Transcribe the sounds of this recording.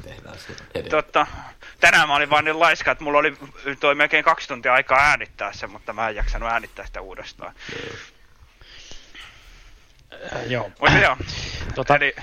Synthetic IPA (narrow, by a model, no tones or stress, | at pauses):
ehæ̰st̪ot̪ːɑt̪ænæmæoliʋʋɑːnnillɑiskɑet̪mulːolit̪oimelkeiŋkɑkst̪unt̪iɑɑikɑːæːnit̪ːæːssemut̪ːɑmæejɑksɑnuæːnit̪ːæːsi̥t̪æuːdest̪ɑ̰ː | jomut̪ːjɑːoeli